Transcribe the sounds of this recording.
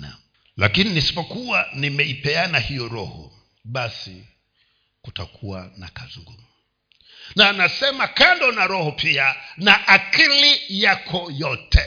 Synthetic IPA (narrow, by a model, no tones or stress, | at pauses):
a̰ | lakininisi̥pɔkuwanimɛipɛanahijɔɾɔ̰hɔ̰ | ɓasi | kuta̰kʰuwa̰nakaziŋɡumu | naːnasɛmakandɔnaɾɔhɔpianaʔakilijakʰɔjɔtʰɛ